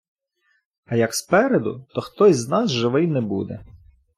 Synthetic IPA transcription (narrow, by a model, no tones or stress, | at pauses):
ɐjɐkspɛɾed̪ʊ̰t̪ɔxt̪ɔjʲznɑsʒɪʋɪjnɛbṵd̪ɛ̰